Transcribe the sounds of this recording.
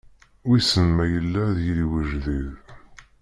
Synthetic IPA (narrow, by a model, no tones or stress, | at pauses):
wisəmːæjəlːæðjəliwəʒðið